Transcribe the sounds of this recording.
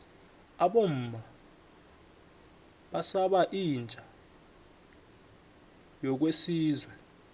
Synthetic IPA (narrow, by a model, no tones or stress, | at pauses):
aɓom̩ːma | ɓasaɓaʔind͡ʒʼʱa | jɔk̬wesiːzwɛ